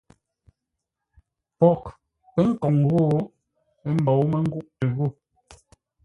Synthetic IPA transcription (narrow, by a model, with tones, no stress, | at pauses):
pɔ˨k | pɛ˦ŋ̩˦kɔ˨ŋɣo˦˨ | e˦m̩˦bɔ˨wmɛ˦ŋ̩˦ɡu˦ʔte˨ɣo˦˨